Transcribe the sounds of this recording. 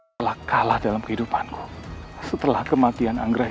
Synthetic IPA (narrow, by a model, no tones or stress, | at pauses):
əlahkalahdalamkəhidupanku̥sət̪əlahkəmat̪iana̰ŋɡɾa